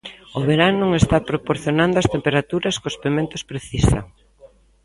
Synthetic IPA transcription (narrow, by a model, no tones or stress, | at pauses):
ʊβeɾanõŋest̪apɾopoɾθjonand̪oɐst̪empeɾat̪uɾɐskospemẽnt̪ʊ̥spɾeθisɐ̰